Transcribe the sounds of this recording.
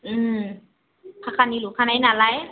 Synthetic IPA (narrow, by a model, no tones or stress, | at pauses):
ʔɯːm | kʰakʰanːiːluːkʰananalaj